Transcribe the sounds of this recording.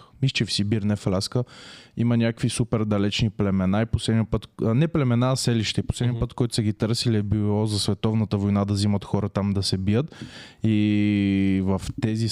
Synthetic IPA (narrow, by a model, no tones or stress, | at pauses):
miʃt͡ʃɛfsibiɾnɛflʲaskəimənʲakkəkvisupɛɾd̪ɐlɛt͡ʃniplɛmɛnaiposlɛd̪nipət̪nɛplɛmɛnaːsɛliʃt̪ɛiposlɛd̪nʲjəpɤt̪kɔjt̪ʊ̥sɛɡit̪ɤɾsiliɛbilˠɔzɐsvɛt̪ɔvnət̪əvojnad̪ɐzimət̪xɔɾət̪amd̪ɐsɛbijət̪ | i | vəft̪ɛzi